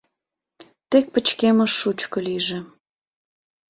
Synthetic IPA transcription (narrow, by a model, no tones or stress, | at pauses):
t̪ek̚pət͡ɕkeməʃːut͡ɕkŏliʒĕ